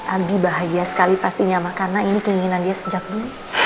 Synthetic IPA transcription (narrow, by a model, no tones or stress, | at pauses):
ʔaɡibaɦajasə̥kalipast̪iɲamakanainikəiŋinandiasəd͡ʒak̚dulu